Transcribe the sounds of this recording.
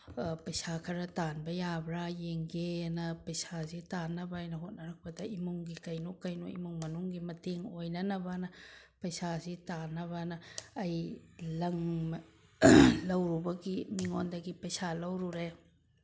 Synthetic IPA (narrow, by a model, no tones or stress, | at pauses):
pɐjsakʰɐɾɐtanbɐjabɾajeŋɡenɐpɐjsazitanːɐbɐjnɐɦot̚nɐɾak̚pɐdɐimuŋɡikɐjnokːɐjnoʔḭmuŋmɐnuŋɡimɐteŋojnɐnɐbanɐpɐjsazitanːɐβɐnɐːjlɐŋ | lɐwɾubɐɡimiŋondɐɡipɐjsalɐwɾuɾe